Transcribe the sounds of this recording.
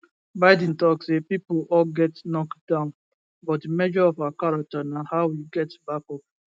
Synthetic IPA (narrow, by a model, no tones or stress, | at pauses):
baɪd̃n̩tɔksepipoɔlɡɛtnɔkdãʊ̃n | bɔtdimɛd͡ʒɔɔfakaɾatanahaʊwiɡɛtbakɔp